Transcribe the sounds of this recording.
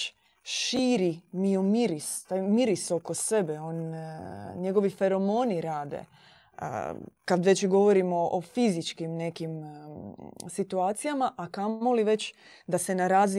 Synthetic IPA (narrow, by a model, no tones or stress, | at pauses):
ʃiːɾimiomiɾist̪aːjmiɾiso̞ko̞se̞beoːn | ɲe̞ɡo̞ʋife̞ɾo̞moniɾaːd̪ḛ | kad̪ʋe̞t͡ɕɡo̞ʋo̞ɾimoʔofizit͡ʃkimne̞kim | sit̪uaːt̪sijamaʔakaoliʋe̞t͡ɕ | d̪ase̞naɾaːz